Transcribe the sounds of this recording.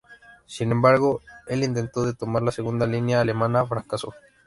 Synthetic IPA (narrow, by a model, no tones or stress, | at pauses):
sinẽmbaɾɣoelint̪̬ent̪oðet̪omaɾlaseɣund̪alinjaːlemãnaːfɾakaso̰